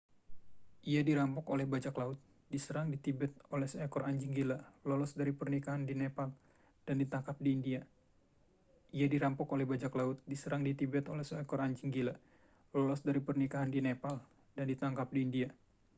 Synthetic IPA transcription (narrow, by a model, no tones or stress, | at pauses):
ʔiadiɾampɔkolɛhbad͡ʒaklaʊt̪̚ | disəɾaŋdit̪ibɛt̪̚olɛhsɛkɔɾaɲd͡ʒiŋɡilalɔlɔsdaɾipərnikaɦandinepal | d̥andit̪aŋkap̚diːndia | ijadiɾampɔkolɛhbad͡ʒaklaʊt̪̚disəɾaŋdit̪ibɛt̪olɛhsoɛkɔɾaɲd͡ʒiŋɡila | lɔlɔsdaɾipərnikaɦandinepal | d̥andit̪aŋkap̚diːndia